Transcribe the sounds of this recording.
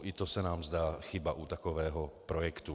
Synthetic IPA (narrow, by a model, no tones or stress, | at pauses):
ʔit̪osɛnaːmzd̪aːxɪbaʔut̪akovɛːɦɔpɾojɛkt̪u